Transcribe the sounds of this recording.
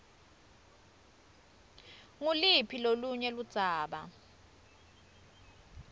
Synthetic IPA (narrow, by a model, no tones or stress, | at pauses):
ŋulipʰiloluɲɛlud̥z̥ʱaːɓa̰